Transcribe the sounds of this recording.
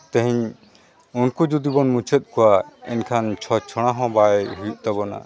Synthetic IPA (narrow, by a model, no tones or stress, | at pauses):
t̪ɛ̃ɦɛɲ | unkud͡ʒud̪ibɔnmũt͡ʃʰet̪̚ˀkɔwaɛ̰nkʰant͡ʃʰɔt͡ʃʰɔɽ̃aɦɔ̃baɦuʔt̪ɔbɔna̰